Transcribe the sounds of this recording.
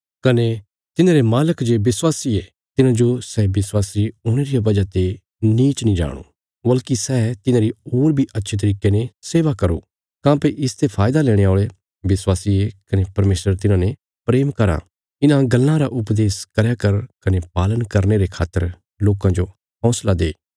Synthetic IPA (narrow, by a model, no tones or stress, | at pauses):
kɐne | t̪ɪnãɾemaːləkd͡ʒebɪswaːsie | t̪ɪnãd͡ʒosɛːbɪswaːsioːɽ̃eɾijabɐd͡ʒat̪e | niːt͡ʃnĩd͡ʒa̰ːɽ̃o̰ː | bɐlkisɛːt̪ɪnãːɾioːɾbʱiʔɐtːʃʰet̪̬ɐɾiːkeneseːʋakɐɾo̰ | kãːpeʔɪst̪epʰaːjd̪alɛːɽ̃eaːɭe | bɪswaːsiekɐnepɐɾmeːsɾəɾt̪ɪnãne | pɾeːmkɐɾa̰ | ɪnãɡɐlːãɾaʔʊpd̪eːskɐɾjakɐɾkɐnepaːlənkɐɾneɾekʰaːt̪ːə̰ɾ | loːkãd͡ʒo | ɦɔ̃ːslad̪eː